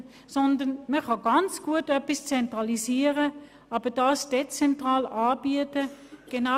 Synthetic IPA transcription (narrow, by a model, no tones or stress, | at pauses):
sɔndənməχɑɡ̥ɑnt͡sɡ̥uətœpist͡sɛntʁɑliziːəʁə | ɑbəd̥ɑːsd̥et͡sɛntʁɑːlɑːbiətəɡ̥ena